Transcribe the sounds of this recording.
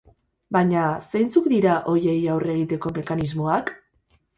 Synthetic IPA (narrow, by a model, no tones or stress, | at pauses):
bajɲasejnt͡sukd̪iɾaʔo̞je̞jawre̞ɣ̞it̪e̞ko̞me̞kanizmo̞ak